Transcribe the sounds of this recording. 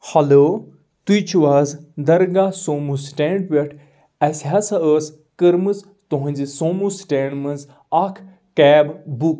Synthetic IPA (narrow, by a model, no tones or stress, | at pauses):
hɐloː | t̪ujt͡ʃʰuʋaːzd̪ɐɾɡasoːmusʈeːɳʈweʈʰ | ɐsʲɦasaəːs | kəɾmɨz | t̪oɦɐ̃nʲzisoːmusʈeːɳɖmɐnz | ɐkʰ | kɛːbbuk